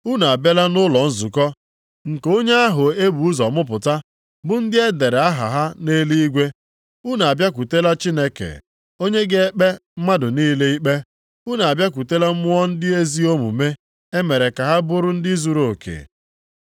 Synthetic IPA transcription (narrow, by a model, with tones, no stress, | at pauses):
u˦na˨a˨be˦la˦nʊ˦lɔ˨n̩˦zu˨kɔ˦ | ŋ̩˨ko˦ɲe˦a˦ɦʊ˨e˦bu˨u˦zɔ˨mʊ˦p̬ʊ˨ta˦ | bʊ˦n̩˦dɪ˦e˦de˨ɾe˨a˦ɦa̰˨ɦa˦ne˦li˦i˦ɡʷe˦ | u˦n˨a˨bja˦kʷu˨te˦la˦t͡ʃi˦ne˦kḛ˨ | o˦ɲe˦ɡe˦e˦k͡pe˦m̩˦ma˦dʊ˨niː˦le˦i˦k͡pe˦ | u˦n˨a˨bja˦k̬ʷu˨te˦la˦mʊ˦ɔ˦n̩˦dɪ˦e˦zi˦o˦mṵ˨me˦ | e˦me˨ɾe˨ka˨ɦa˦bʊ˦ɾʊ˦n̩˦dɪ˦zu˨ɾo˨kʰḛ˨